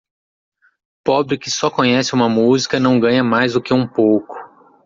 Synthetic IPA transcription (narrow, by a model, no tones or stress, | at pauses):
pɔbɾɪkɪsɔkõɲɛsɪũmɐmuzikɐnɐ̃w̃ɡɐ̃ɲɐmajzd̪ʊkɪũpowkʊ̥